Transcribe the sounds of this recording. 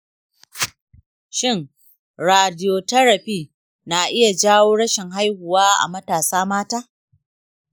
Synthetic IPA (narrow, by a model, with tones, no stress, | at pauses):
ʃɪ˦˨ŋ | ɽaː˨dɪ˦joː˨tɐ˦ɾɐ˨ɸiː˦˨ | na˨ʔɪ˦ja˨d͡ʒaː˦woː˦ɽɐ˦ʃɪ˨ŋɦa˦jhʊ˨waː˦ʔa̰˨mɐ˦taː˨saː˦maː˦taː˦